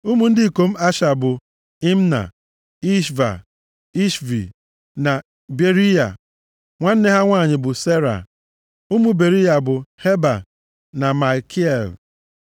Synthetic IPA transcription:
u˦mu˦n̩˦dɪ˦i˨ko˨m̩˦a˦ʃa˨bʊ˨ | i˦m˦na̰˨ | i˦ʃva̰˨ | i˦ʃvḭ˨ | na˨ | be˨ɾi˦ja̰˨ | ŋʷa˦n̩˦ne˦ɦa˦ŋʷaː˦˨ɲɪ˨bʊ˨se˦ɾa̰˨ | u˦mu˦be˨ɾi˦ja˨bʊ˨he˦ba̰˨ | na˨ma˨kʰi˦e˦˨l

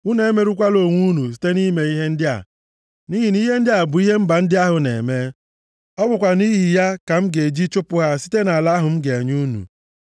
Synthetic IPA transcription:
u˦ne˨˦me˨ɾu˦kʷa˦lo˨ŋʷu˦nu˨s̬i̥˦te˦ni˦me˨i˦ɦe˦n̩˦dɪ˦a̰˨ | ni˦ɦi˨ni˦ɦe˦n̩˦dɪ˦a˨bʊ˨i˦ɦe˦m̩˦ba˨n̩˦dɪ˦a˦ɦʊ˨nḛ˨me˦ | ɔ˦bʊ˨kʷa˨ni˦ɦi˨ja˦ka˨m̩˦ɡe˨d͡ʒi˦t͡ʃʊ˦pʊ˦ɦa˦si̥˦te˦na˨la˦ɦʊ˨m̩˦ɡe˨e˨ɲu˦nṵ˨

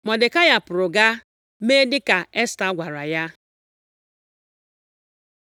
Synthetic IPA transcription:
mɔ˨dɪ˨ka˦ja˨pʊ˨ɾʊ˨ɡa˦ | me˦dɪ˦ka˨e˦sta˦ɡʷa˨ɾa˨ja˦

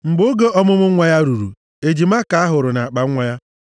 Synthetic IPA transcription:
ŋ͡m̩˨ɡ͡bo˦ɡe˦ʔɔ˦mʊ˦mʊ˦ŋʷa˦ja˦ɾu˨ɾṵ˨ | e˨d͡ʒi˨ma˦ka˨a˦ɦʊ˨ɾʊ˨na˨a˨k͡pa˨˦ŋʷa˦ja˦

